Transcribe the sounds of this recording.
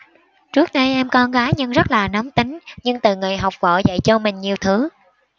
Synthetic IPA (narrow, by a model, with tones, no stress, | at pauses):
t͡ɕɨ˦˥ək̚ɗə˧jʔɛ˧mkɔ˧nɣaː˨˦jɲɨ˧ŋzə˦˥t̚laː˨˩nə˨˦wŋ͡mt̪i˨˦ŋ̟ɲɨ˧ŋt̪ɨ˨˩ŋɨ˨˩jɦa˨˩wk͡p̚vɔ̰˧˨zə̰˧˨jt͡ɕɔ˧mï˨˩ŋ̟ɲi˨˩əwt̪ʰɨ˨˦